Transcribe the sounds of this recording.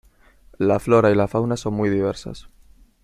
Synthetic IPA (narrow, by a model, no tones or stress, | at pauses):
lafloɾailafawnaso̞nmujðiβ̞e̞ɾsa̰s